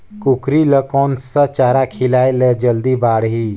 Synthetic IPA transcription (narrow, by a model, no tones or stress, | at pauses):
kʊkɾiləkɔːnsət͡ʃaːɾakʰɪlaːeləd͡ʒəld̪ibaːɽɦiː